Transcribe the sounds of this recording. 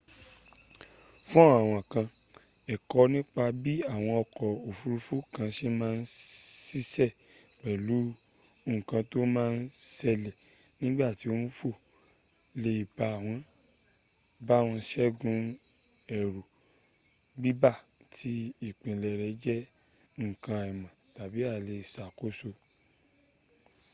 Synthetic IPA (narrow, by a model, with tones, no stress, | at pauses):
fũ˦a˦˨w̃ɔ̃˨kã˧ | ɛ˨kɔ˧nĩ˦k͡pa˧bi˦a˦˨w̃ɔ̃˧ɔ˧kɔ˨o˨fu˧ɾu˧fu˦kã˧ʃe˦mãː˦˧n̩˦si˦sɛ˦˨k͡pɛ˨lu˨˦ | o˦ŋũ˨kã˧to˦mãː˦˧n̩˦sɛ˧lɛ˨ | nĩ˦ɡ͡ba˦˨ti˧˦o˦n̩˦fo˦˨ | le˧i˨ba˧˨w̃ɔ̃˧ | ba˦˨w̃ɔ̃˧ʃɛ˦ɡũ˨˧ | ɛ˨ɾo˨ | ɡ͡bi˦ba˦˨ | tʰi˧˦i˦˨k͡pĩ˨lɛ˨ɾɛ˨˦d͡ʒɛ˦ | ŋ̩˨kã˧ɛ˨mã˨ta˨bi˨˦a˦˨le˧˨sa˨ko˦so˧